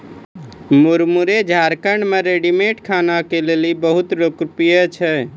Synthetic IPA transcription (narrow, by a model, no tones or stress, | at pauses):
muɾmuɾed͡ʒʱaɾkəɳɖmeɾeɖimeʈkʰanakelelibəɦut̪ɾokɾpijət͡ʃʰɛ